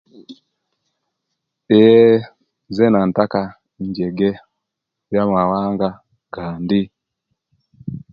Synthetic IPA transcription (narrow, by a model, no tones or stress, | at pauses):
ɛ | zɛnan̩taka | ɲd͡ʒɛɡɛ | jamawaŋɡa | ɡaːndi